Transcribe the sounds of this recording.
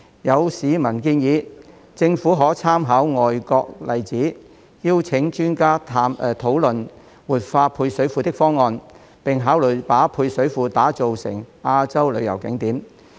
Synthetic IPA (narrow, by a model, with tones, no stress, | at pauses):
jɐ˨˧wsiː˨˧mɐ˨˩nkiː˧njiː˨˧ | t͡sɪ˧ŋfuː˨˥ɦɔː˨˥t͡sʰaː˥mɦaː˨˥wŋɔː˨jkɔː˧k̚lɐ˨jt͡siː˨˥ | jiː˥wt͡sʰɪ˨˥ŋt͡ʃyː˥nkaː˥t̪ʰaː˧mː˨˧t̪ʰo˨˥wlɵ˨n | wuː˨˩t̚faː˧pʰuː˧jsɵ˨˥ɥfuː˧t̪ɪ˥k̚fɔː˥ŋːɔː˧n | pɪ˨˩ŋɦaː˨˥wlɵ˨˩jpaː˨˥pʰuː˧jsɵ˨˥ɥfuː˧t̪aː˨˥t͡so˨wsɪ̰˨˩ŋaː˧t͡sɐ˥wlɵ˨˧jɐ̰˨˩wkɪ˨˧˥ŋt̪iː˨˥m